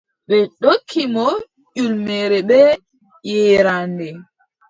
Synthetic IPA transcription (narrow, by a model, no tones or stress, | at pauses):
ɓɛɗokʰːimɔ | ʄulmɛɾɛɓɛ | jɛɾandɛ